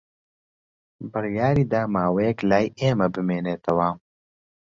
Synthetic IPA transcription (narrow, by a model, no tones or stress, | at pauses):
bɨrjaːɾiːd̪aːmaːwejɛklaːjeːmɐbɨmeːneːt̪ʰɐwɐ